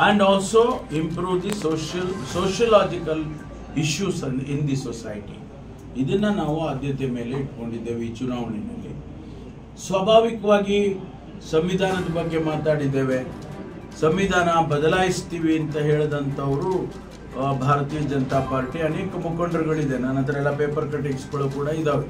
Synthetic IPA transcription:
æɳɖɔːlsoːimpɾuːʋd̪isoːʃɐlsoːʃɐlaːd͡ʒikɐl | iʃjuːsɐnind̪isosa̰ːjʈḭ | id̪ɐnːɐnaːʋuaːd̪ʱjɐt̪jɐme̞ːle̞iʈko̞ɳɖid̪ːe̞ːʋit͡ʃunaːʋɐnimḛːlḛ | sʋaːbʱaːʋikɐʋaːɡi | sɐmʋid̪ʱaːnɐd̪ɐbɐɡːe̞maːt̪aːɽid̪ːe̞ːʋe̞ | sɐmʋid̪ʱaːnɐbɐd̪ɐlaːjist̪iːʋiɐnt̪ɐɦe̞ːɭd̪ɐnt̪ʰɐːʋɐɾu | bʱaːɾɐt̪iːjɐd͡ʒɐnɐt̪aːpaːɾʈiɐneːkɐmukɐɳɖɐɾɐɡɐɭid̪enaːnɐnd̪ɐɾɐɛlːɐpeːpɐɾkɾɐʈ̬iksɡɐɭukuːɽɐid̪ɐʋe

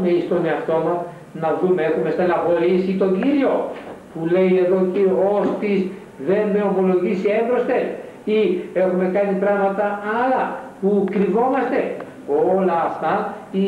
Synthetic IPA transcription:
meist̪o̞ne̞ɐft̪o̞mɐs | nɐðumeexume̞st̪enɐɣo̞ɾisit̪o̞ɲɟiɾio̞pule̞je̞ðo̞ciost̪iz | ðe̞nme̞o̞mo̞lo̞ʝisieɱbɾo̞st̪e̞ | ie̞xume̞kɐnit̪ɾɐɣmɐt̪ɐɐlɐpukɾivo̞mɐst̪e̞ | o̞lɐːft̪ɐi

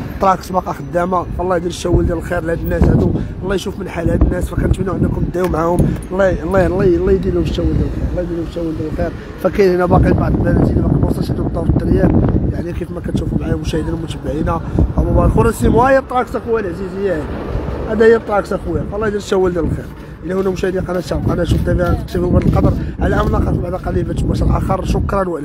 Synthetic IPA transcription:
t̪ˤːɾˤɑksˤbɑqɑxəd̪ːæmæəlːɑjd̪iɾʃæwːəld̪ællxiɾlhæd̪ənːæshæd̪uʔlːɑjʃufmənħalhæd̪ənːæsfækænət̪minuʕənːækʊmd̪ːæwumʕahʊmlːɑlːɑlˤːɑlˤːɑjd̪ilhʊmbʃæwːəld̪ælxiɾʔlːɑjd̪ilhʊmʃæwːəld̪æləlxiɾ | fækæjnhənæbɑqibaʕd̪ˤlbælæt̪ilbæqimwsˤɑlʃhæd̪ut̪ˤːɑˤt̪ːɾjæbjaʕnikifmækænt̪ʃufumʕajmʊʃæhəd̪inmʊt̪əbːaʕinæt̪ɑbæbaʕd̪əlxʊɾˤɑsimuhæjːt̪ˤːɾɑksæxwælʕzizəjːæʔæd̪æhjt̪ˤːɑɑksæxwæflːɑjd̪iɾʃæwːəld̪əllxiɾ | ʔəlːæhʊnːæmʊʃæhd̪inqɑnæʃaʕqɑnæʃuft̪æbiʕant̪ə̥k̚t̪əfubaʕd̪əlqɑd̪əɾˤʕalʕæmlɑqɑk̪baʕd̪qɑlːibæt̪ʃmæʃəlʔæxɑɾˤʃʊkɾˤɑnwæʔlæ

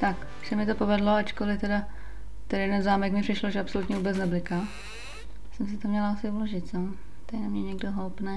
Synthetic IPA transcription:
t̪ak | ʃɛmɪt̪o̞po̞vɛdlo̞at͡ʃkolɪt̪ɛda | t̪ɛdajɛdɛnzaːmɛkmɪpr̝̥ɪʃloʒɛapso̞lut̪ɲɛvuːbɛt͡snɛblɪka | sɛmsɪt̪omɲɛlaasɪuloʒɪt̪sam | t̪anamɲɛɲɛɡdoɦowpnɛː

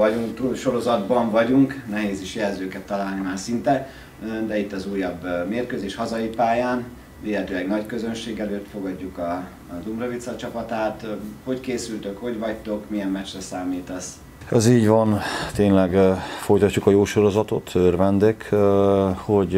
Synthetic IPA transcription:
ɒɟuŋkt̪ulʃo̞ɾo̞zɒd̪bɒɱvɒɟuŋknɛɦeːziʃjɛlzøːkɛt̪ːɒlaːlnimaːrsint̪ɛ | d̪ɛit̪ːɒzuːjːɒbːmeːrkøːzeːʃhɒzɒjipaːjaːn | veːɦɛt̪øːlɛɡnɒckø̞zø̞nʃeːɡɛløːt̪fo̞ɡɒɟːukɒ | d̪umrɒvit̪sɒt͡ʃɒpɒt̪aːt̪ho̞ckeːsylt̪ø̞kho̞ɟvɒct̪o̞kmijɛmːɛt͡ʃrɛsaːmiːt̪ɒs | ɛziːɟvɒnt̪eːnlɛɡfo̞jt̪ɒcːukɒjoːʃo̞ɾo̞zɒt̪ot̪ʰørvɛnd̪ek | hoɟ

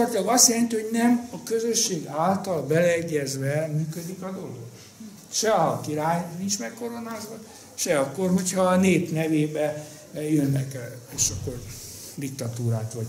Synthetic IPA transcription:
olrt̪ilɒɡɒst̪jɛlɛnt̪ihoɟnɛmɒkø̞zø̞ʃːeːɡaːlt̪ɒlbɛlɛɛɟːɛzʋɛmyːkød̪ikɒd̪o̞lo̰ɡ | ʃɛɒkiɾaːjnint͡ʃmɛkkːo̞ɾo̞naːzɒ | ʃɛɒkːo̞rhochɒneːpnɛveːbɛ | jønːɛkɛeːʃɒkːo̞r | d̪ik̚t̪ɒt̪uːɾaːt̪ʋɒɟ

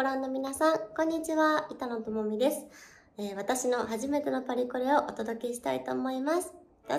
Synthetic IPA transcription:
oɾãnːo̞mʲinasãŋkõ̞ɲ̟ːit͡ɕiβait̪ano̞t̪o̞mo̞mʲid̪e̞sɨ̥ | eːβ̞at̪aɕino̞ɦaʑime̞t̪e̞no̞paɾʲikoɾeo̞ʔot̪o̞d̪o̞ke̞ɕi̥t̪ait̪o̞ːmo̞imasɨ̥

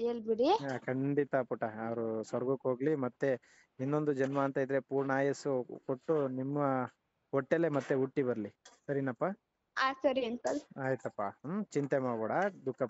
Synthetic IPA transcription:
eːlbiɽikʰɐɳɖit̪ɐpuʈɐːʋɐɾusʋɐɾɡukoːɡlimɐt̪ːe | inːo̞nd̪ud͡ʒɐnmaːnt̪ɐjid̪ɾe̞puːɾɳaːjɐsukoʈːunimːɐ | ɔʈːelemɐt̪ːeuʈːibɐɾlisɐɾinɐpːa | aːsɐɾiɐnsɐlaːjt̪uɐpːat͡ʃint̪emaːɽbɐːɽɐd̪ukːɐp

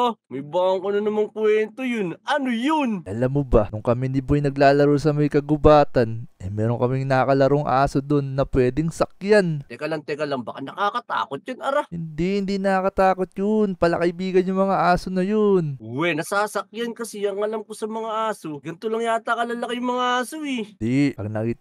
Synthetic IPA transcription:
omɐjbaʔɐŋkonɐnɐmaŋkwɛnt̪ojʊnʔɐnojonʔɐlamːobɐnʊŋkɐmind̪ɪbojnɐɡlaːlɐɾosɐmɐjkɐɡʊbaːt̪ɐnɐmɛːɾoŋkɐmiŋnɐkɐlɐɾoŋʔa̰ːsod̪onːɐpwɛːd̪ɪŋsɐk̚jant̪ɛkɐlaŋt̪ɛkɐlaŋbɐkanɐkaːkɐt̪a̰ːkot̪̚jʊnɐɾahɪnd̪ihɪnd̪inɐkɐt̪aːko̞t̪̚jonpɐlɐkɐʔɪbiːɡɐnjʊŋmɐŋaʔaːsonɐjonwɛnɐsaːsɐk̚jankɐsɛjɐŋɐlamkosɐmɐŋaʔaːsoɡɐnt̪olɐŋjat̪akɐlɐlɐkajʊŋmɐŋaʔaːsoɛd̪ipɐɡ̚nɐki

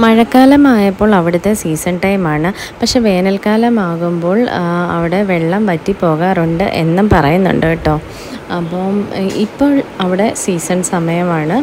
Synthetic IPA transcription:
mɐɻɐkːaːlɐmaːjɐpːo̞ːɭɐʋiɽut̪ːe̞siːsɐnʈɐjmaːɳɨ | pɐkʂe̞ːʋe̞ːnɐlkaːlɐmaːɣumbo̞ːɭɐ̰ʋiɽe̞ʋeɭːɐmpɐtːipːo̞ːɣaːruɳɖɨ̰ʔḛnːɐmpɐrɐjunːṵɳɖɨʈːo̞ː | ɐpːoːmipːo̞ːɭɐʋiɽe̞siːsɐnsɐmɐjɐmaːɳɨ

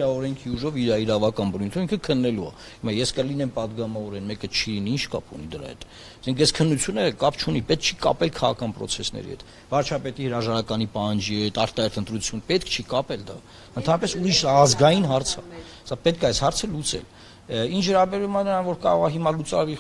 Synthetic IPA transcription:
ɾɑɔɾɛŋkʰiuʒɔviɾɑiɾɑvɑkɑnbənujnt̪ʰuiŋkʰəkʰənːɛluɑ̰ | himɑjɛskəlinɛmpɑd̪ɡɑmɑvɔɾɛnmɛkət͡ʃʰiliniint͡ʃʰkɑ̰pʰṵnid̪əɾɑ̰hɛ̰t̪ | sɛŋkʰɛskʰənːut͡sʰjunəkɑpʰt͡ʃʰunipɛt̪̚kʰt͡ʃʰikɑ̰pɛlkʰɑʁɑ̰kʰɑnpɾɔ̰t͡sʰɛsnɛ̰ɾḭhɛ̰t̪ | vɑɾt͡ʃʰɑpɛt̪ihəɾɑʒɑɾɑkɑnipɑhɑnd͡ʒiɦɛt̪ɑɾt̪ɑɦɛɾt̪ənt̪ɾut͡sʰjunəpɛt̪̚kʰt͡ʃʰikɑpɛld̪ɑ̰ | ənt̪ʰɑnɾɑpɛsuɾiʃɑzɡɑjinɦɑɾt͡sʰɑ̰ | sɑpɛt̪̚kʰɑjshɑɾt͡sʰəlut͡sɛ̰l | int͡ʃʰvəɾɑbɛɾvumɑnəɾɑnvɔɾkɑ̰ɾɔʁɑɦimɑlut͡sɑ̰ɾvi

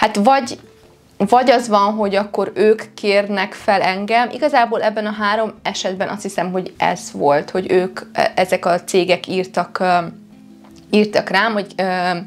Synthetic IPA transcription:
hat̪vɒɟ | vɒɟɒzʋɒnɦo̞ɟɒkːo̞ɾøːkːeːrnɛkfɛlɛŋɡɛmʔḭɡɒzaːboːlɛbːɛnɒɦaːɾo̞mɛʃɛd̪̚bɛnɒ̰st̪hisɛmɦo̞ɟʔɛ̰z̥ʋo̞lt̪ho̞ɟøːkʔɛzɛkɒt̪seːɡɛkiːrt̪ɒk | iːrt̪ɒkraːmɦo̞ɟøː

